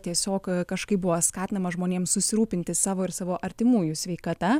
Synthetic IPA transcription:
t̪ʲiɛsʲoːkkɐʃkɐɪp̚bʊʋɐskɑːt̪ʲɪnɐmɐʒmoːnʲeːmsʊsʲɪɾuːpʲɪnʲt̪ʲɪsɑːʋoːɪɾsɑːʋoːʔɐɾʲt̪ʲɪmuːjʊsʲʋʲɛɪkɐt̪ɐ

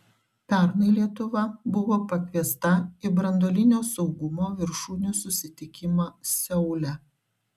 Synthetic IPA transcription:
pʲæˑɾnɐɪlʲiɛt̪ʊʋɐbʊʋoːpɐkʲʋʲiɛst̪ɐɪbɾɐnd̪oːlʲɪnʲoːsɒʊɡʊmoːʋʲɪɾʃuːnʲusʊsʲɪt̪ʲɪkʲɪmɑːsʲɛʊlʲɛ

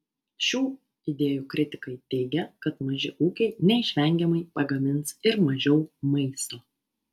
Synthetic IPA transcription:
ʃʲuː | ɪd̪ʲeːjuːkɾʲɪt̪ʲɪ̥kɐɪt̪ʲɛɪɡʲɛkɐt̪mɐʒʲɪʔuːkʲɛɪnʲɛɪʃʲʋʲɛŋʲɡʲɛmɐɪpɐɡɐmʲɪnsɪɾmɐʒʲɛʊmɐɪst̪oː

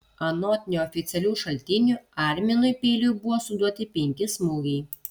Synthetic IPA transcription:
ɐnɔːt̪ʲɪnʲuˑɔfʲɪt̪sʲɛlʲuːʃɐlʲt̪ʲɪnʲuːˑɑˑɾʲmʲɛnʊɪpʲeːlʲuːbʊʋɔːsʊd̪uɔt̪ʲɪpʲɛŋʲkʲɪsmuɡɛɪ

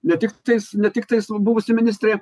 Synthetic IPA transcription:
nʲɛt̪ʲɪkt̪ɐɪsnʲɛt̪ʲɪkt̪ɐɪsbʊʋʊsʲɪmʲɪnʲɪsʲt̪ʲɾʲeː

